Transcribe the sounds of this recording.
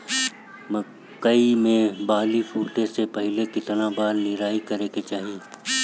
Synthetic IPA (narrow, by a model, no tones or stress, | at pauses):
mə | kəimẽbaːlipʰuːʈesepɐɦɪlekɪt̪nabaːɾnɪɾaːikɐɾeːket͡ʃaːɦieː